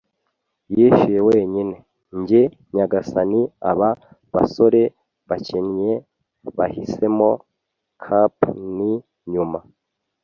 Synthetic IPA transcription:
jiʃijewe̞ːɲine̞ | ɲɟe | ɲaɡasania̰βa | βa̰so̞ɾe̞ | βacenje | βahise̞mo̞ | kʰapni | ɲuma

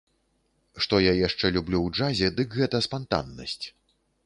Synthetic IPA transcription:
ʂt̪ɔjajaʂt͡ʂɛlʲublʲuwd͡ʐazʲɛd̪ɨkɣɛt̪ɐspant̪a̰nːɐ̰sʲt͡sʲ

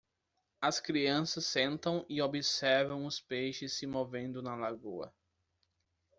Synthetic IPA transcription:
ɐskɾiɐ̃sɐsːẽnt̪ɐ̃w̃ɪobɪsɛɾvɐ̃w̃ʊspejʃɪsːɪmovẽnd̪ʊnɐlaɡṵɐ̰

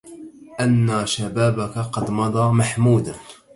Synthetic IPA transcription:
ʔanːaʃabaːbakaqɑd̪mɑd̪ˤɑːmaħmuːd̪a

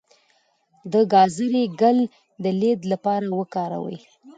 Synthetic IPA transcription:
d̪əɡɑzəɾeɡal | d̪əled̪lapɑɾawəkɑɾa̰wə̰j

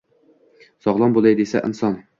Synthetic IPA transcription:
sɒʁlˠɑmbolˠɛjd̪esɛ̰ʔɘ̰nsɑn

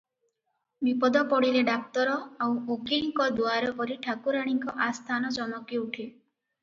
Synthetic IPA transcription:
bipɔd̪ɔpɔɽileɖak̚t̪ɔɾɔawokiŋkɔd̪uaɾɔpɔɾiʈʰakuɾaɽ̃iŋkɔʔast̪ʰanɔt͡ʃɔmɔkiuʈʰe

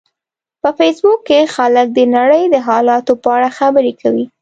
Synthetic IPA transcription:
pəfesbukːexalək̚d̪ənaɽəjd̪əɦɑlɑt̪opəaɽaxabəɾekʰawi

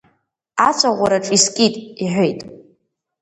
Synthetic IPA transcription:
at͡sʷʰaʁʷaɾaʈ͡ʂʼiskʲʼitʼiħʷᶣojtʼ

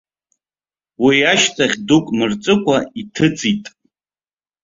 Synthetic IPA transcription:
wiaʃtʰʼaχʲdukʷʼmɨrt͡sʼɨkʷʰʼaitʰɨt͡sʰʼitʼ

